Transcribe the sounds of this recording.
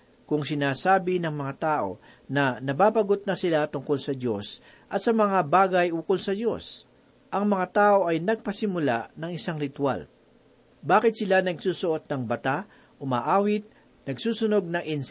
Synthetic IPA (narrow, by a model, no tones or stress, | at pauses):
kʊŋsɪnaːsaːbɪnɐŋmɐŋat̪aːʔo̞̰ | nɐnɐbaːpɐɡot̪̚nɐsɪlat̪ʊŋkolsɐd̪jo̞s | ʔɐt̪sɐmɐŋabaːɡɐjʔʊŋkolsɐdjo̞̰s | ʔɐŋmɐŋat̪aːʔo̞ʔɐjnɐɡ̚pɐsɪmʊlaʔnɐŋɪsaŋɾɪt̪wa̰l | baːkɪt̪̚sɪlanɐɡsuːsʊʔot̪̚nɐŋbɐt̪a | ʔʊma̰ːʔaːwɪt̪̚ | nɐɡsuːsʊno̞ɡ̚nɐŋʔɪns